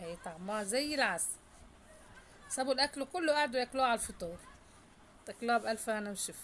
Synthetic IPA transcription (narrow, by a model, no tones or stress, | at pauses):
hæjt̪aʕmːɑːzæjːɪlʕas | sæbʊlʔæklkʊlːʊʔaʕd̪wjɪkluːʕalfɨt̪ˤuːɾˤ | t̪ɪkluːabʔælfʔænæmʃɪf